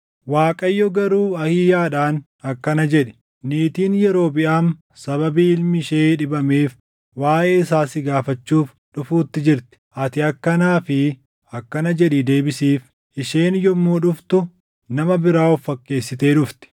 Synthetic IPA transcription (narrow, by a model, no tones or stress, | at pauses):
waːkʼɐjːɔɡɐɾuːɐhɪjaːᶑaːn | ɐkːɐnɐd͡ʒɛᶑɪ̥ | niːt̪iːnjɛɾo̞ːbɪʔaːn | sɐβɐbiːɪlmɪʃeːᶑɪbɐmeːf | waːʔeːɪsaːsɪɡaːfɐt͡ʃːuːf | ᶑʊfuːt̪ːɪd͡ʒɪɾt̪ɪ̥ʔɐt̪ɪɐkːɐnaːfɪ | ɐkːɐnɐd͡ʒɛᶑɪd̪e̞ːbɪsiːf | ʔɪʃeːnjɔmːuːᶑʊft̪ʊ | nɐmɐbɪɾaːɔfːɐkːe̞ːsːɪt̪e̞ːᶑʊft̪ɪ̥